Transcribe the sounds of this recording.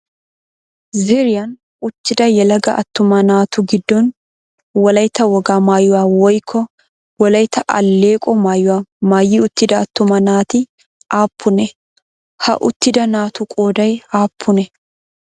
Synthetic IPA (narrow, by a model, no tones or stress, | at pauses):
ziɾɪjɐn | ʊt̪ːɪd̪ɐjɛlɐɡɐʔɐt̪ːʊmɐnaːt̪ʊɡɪd̪ːɔn | wɐlɐjt̪ːɐwɐɡaːmaːjːʊwaːwɔjkʰːɔ | wɐlɐjt̪ʰɐʔɐ̰lːeːkʼɔmaːjːʊwaːmaːjːiʊt̪ːɪd̪ɐːt̪ːʊmɐnaːt̪ɪ | ʔaːpːʊnɛ | hɐ̰ʔʊt̪ːɪd̪ɐnaːt̪ʊkʼoːd̪ɐjaːpʰːʊnɛ